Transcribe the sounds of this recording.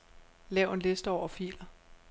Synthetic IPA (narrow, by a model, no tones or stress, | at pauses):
lɛʊe̝nle̝sd̥əɒʊ̰ɐfḭːlɐ